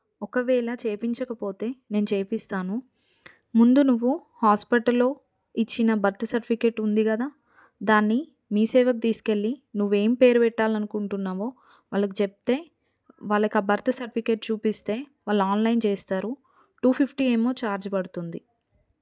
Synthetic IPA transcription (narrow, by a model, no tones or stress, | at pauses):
ɔkɐʋɛːɭɐt͡ʃeːpiɲt͡ʃɐkɐpo̞ːt̪e̞ːne̞ːnut͡ʃe̞ːpist̪aːnu | mund̪unuʋːu | haːspiʈɐlːo̞ː | it͡ʃːinɐbɐɾt̪ʰɐsɐɾʈipʰikeːʈːund̪ikɐd̪aː | d̪aːnːi | miːsɛːʋɐkut̪iːsu̥ke̞ɭːinuʋːe̞ːmipe̞ːɾupɛʈːaːlɐnukuɳʈunːaːʋo̞ː | ʋaːɭːɐk̬it͡ʃep̚t̪e̞ː | ʋaːɭːɐkaːbɐɾt̪ʰɐsɐɾʈipʰikeʈ̚t͡ʃuːpist̪e̞ːʋaːɭːaːnlɐjnt͡ʃeːst̪aːɾu | ʈuːpʰipʰʈiːe̞ːmo̞ːt͡ʃaːɾd͡ʒɐpɐɽut̪und̪i